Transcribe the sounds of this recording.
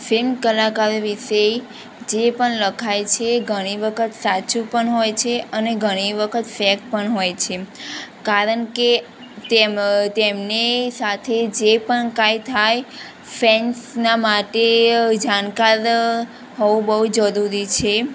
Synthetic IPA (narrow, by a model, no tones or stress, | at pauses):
fɪlmkəlakaɾʋiʃe | d͡ʒepəɳləkʰajt͡ʃʰeɡʱəɽ̃iʋəkʰət̪sat͡ʃũpəɳɦojt͡ʃʰeʔəneɡʱəɽ̃iʋəkʰət̪fɛk̚pəɳɦojt͡ʃʰekaɾəɳke | t̪et̪emnesat̪ʰed͡ʒepəɳkajt̪ʰaj | fɛnsnamaʈed͡ʒañkaɾ | ɦɔʋũbəɦud͡ʒəɾuɾit͡ʃʰe